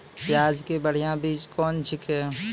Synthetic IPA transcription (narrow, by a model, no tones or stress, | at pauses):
jaːd͡ʒkebəɽ̤ijãbiːt͡ʃkɔːnt͡ʃʰɪkɦeː